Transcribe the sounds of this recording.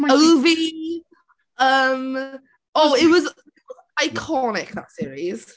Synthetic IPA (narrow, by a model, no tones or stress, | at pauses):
oʊvi | əm | oːɪtwɔz | ajkʰɔnɪkða̰tsiːɹiz̥